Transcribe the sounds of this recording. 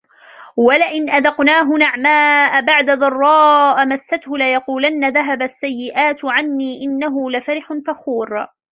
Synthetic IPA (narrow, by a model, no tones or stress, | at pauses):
walaʔɪnʔaðɑqnaːɦʊnaʕmaːʔbaʕd̪aðˤɑrˤːɑːʔmasːat̪hʊlajɑquːlanːaðaɦabasːajːɪʔaːt̪ʕanːiːʔɪnːaɦʊlafaɾɪħʊnfaxuːɾ